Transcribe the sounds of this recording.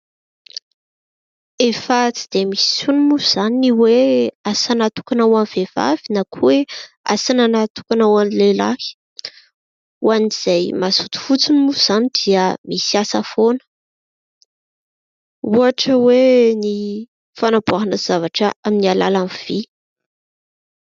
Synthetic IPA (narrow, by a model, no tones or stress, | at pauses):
efat͡si̥d̪̥emisi̥sunimuz̥aniiweasanat̪u̥kanawamvev̥a̰v̥inakʰuwe | a̰sananat̪u̥kanawanlela̰ki̥ | uaniz̥ajmazut̪u̥fut͡sinimuz̥anid̪̥iəmisiasəfonə̥ | uaʈ͡ʂəweni | fanabuaɦanəz̥avaʈ͡ʂəaminiala̰lamv̥i